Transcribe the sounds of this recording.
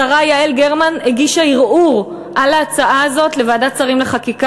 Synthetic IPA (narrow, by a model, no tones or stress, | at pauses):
aʁajaelɡeʁmanheɡiʃaiʁʔuʁ | ʔalaːt͡saʔaːzo̞tle̞vaːdat͡saʁimleχakika